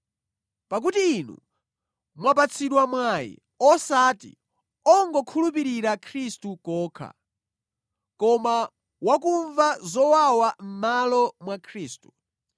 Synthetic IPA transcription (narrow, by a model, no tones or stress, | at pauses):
pak̬utiːnṵ | mwap̬at͡sʰiɗwamwajḭ | ɔsatḭ | ɔŋɡɔkʰulup̬iɾiɾakʰɾistukɔːkʰa̰ | kɔma | wak̬uɱvazɔwawam̩malɔmwakʰɾiːstu̥